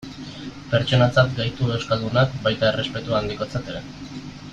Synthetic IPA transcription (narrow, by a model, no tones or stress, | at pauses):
pe̞ɾt͡ʃo̞nat͡sat̪ɡajt̪ue̞wskald̪unakbajt̪ae̞re̞spe̞t̪uand̪iko̞t͡sat̪e̞ɾe̞